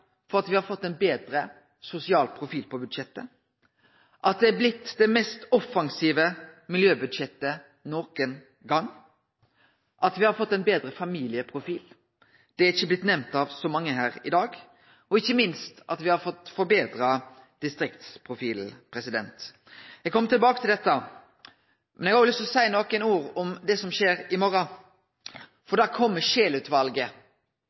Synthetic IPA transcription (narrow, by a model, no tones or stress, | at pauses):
fɔʁɑt̪ʋɪhɑɾfɔt̪ːɛnbeːd̪ɾə | sʊsɪɑːlpʰɾʊfiːlpʰɔbʉd̪ɕɛt̪ːə | ʔɑt̪̚d̪ɛæblɪt̪ːd̪ɛmɛst̪ɔfɑŋsiːʋəmɪljøːbʉd̪ɕɛt̪ːə | nɔːkən | ɡɑŋː | ʔɑt̪ʋɪhɑɾfɔt̪ːɛnbeːd̪ɾəfɑmiːlɪəpʰʁʊfiːl | d̪̥ɛæɾɪçːəblɪt̪ːnɛmnt̪ɑʋsɔmɑŋːəɦæːɾɪd̪ɑːɡ | ɔɪçːəmɪnst̪ɑt̪ʋɪhɑɾfɔt̪ːfɔɾbeːd̪ɾɑ | d̪̥ɪst̪ɾɪkt̪spʰʁʊfiːlpʰɾɛsɪd̪ɛ̰nt̪ | jɛɡ̚kʰɔmːət̪ɪlbɑːkət̪ʰɪld̪ɛt̪ːə | mʔɛnjɛɡɑːəlʏst̪ɔsæɪnɔːkənuːɾɔmd̪ɛsɔmʃeːɾɪmɔɾɑ | fɔɾd̪ækʰɔmːəʃeːlʉt̪ʋɑlɡə